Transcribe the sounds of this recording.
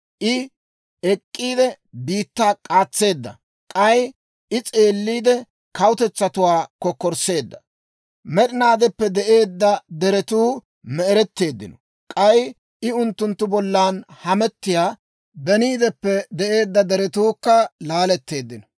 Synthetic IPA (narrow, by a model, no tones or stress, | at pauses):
ʔɪ | ɛkʼːiːd̪ɛ | biːt̪ːaːkʼaːt͡sːe̞ːd̪ːɐ̰ | kʼɐj | ɪt͡sʼe̞ːlːiːd̪ɛ | kɐwʊt̪ɛt͡sːɐt̪ʊwaːkɔkːɔɾse̞ːd̪ːɐ | mɛɗ̪ɪnaːd̪ɛpːɛd̪ɛʔe̞ːd̪ːɐd̪ɛɾɛt̪uː | mɛɛɾɛt̪ːe̞ːd̪ːɪ̰nɔ̥ | kʼɐj | ʔɪʊnt̪ːʊnt̪ːʊbɔlːaːnhɐmɛt̪ːɪjaː | bɛniːd̪ɛpːɛd̪ɛʔe̞ːd̪ːɐd̪ɛɾɛt̪uːkːɐlaːlɛt̪ːe̞ːd̪ːɪnɔ